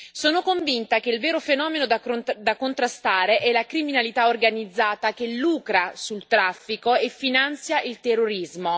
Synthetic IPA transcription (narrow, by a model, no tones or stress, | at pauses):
soːnokoɱvint̪ak̟eilveːɾofenɔːmenod̪ad̪akont̪ɾast̪aːɾeʔɛlakɾiminalit̪aorɡanid̪zːaːt̪ak̟elːuːkɾasult̪ɾafːikoefːinant̪sjaʔilt̪erːoɾizmo